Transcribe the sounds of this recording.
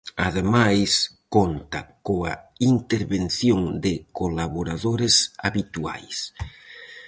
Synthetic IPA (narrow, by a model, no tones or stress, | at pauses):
aðemajskont̪akoaint̪eɾβenθjoŋd̪ɪkolaβoɾaðoɾesaβit̪ua̰js